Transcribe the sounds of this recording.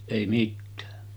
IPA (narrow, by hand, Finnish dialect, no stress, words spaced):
eˑi mitːæː